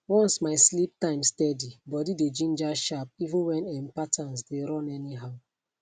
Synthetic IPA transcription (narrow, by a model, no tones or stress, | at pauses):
wɔ̃nsmaɪslip̚tãɪ̃mstɛdibɔdided͡ʒĩnd͡ʒaʃap̚ivũnwɛ̃nɛ̃mpatʰãnsdeɾɔ̃nɛniɦaʊ